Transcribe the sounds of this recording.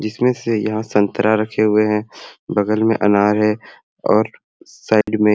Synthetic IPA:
d͡ʒɪsmẽsejɐɦãsɐ̃nt̪əɾaɾɐkʰeɦʊeɦɛ̃bɐɡəlmḛ̃ʔɐ̰naːɾɦɛ | ɔːɾ | saːɪɖmẽ

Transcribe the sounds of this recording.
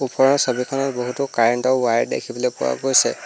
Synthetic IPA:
upɔɹɔɹsobikʰɔnɔtboɦutukaɹɛntɔwajdḛkʰibɔlɔjpʊ̰a̰ɡojsɛ

